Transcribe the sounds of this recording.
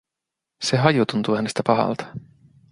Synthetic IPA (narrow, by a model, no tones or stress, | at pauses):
se̞ɦɑjut̪unt̪uːhæne̞st̪æpɑɦɑ̰lt̪ɑ̥